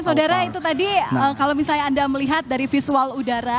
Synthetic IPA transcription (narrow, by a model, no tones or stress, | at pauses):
saudaɾait̪ut̪adiəkalomisalɲaːndaməliɦat̪̚daɾifisualudaɾa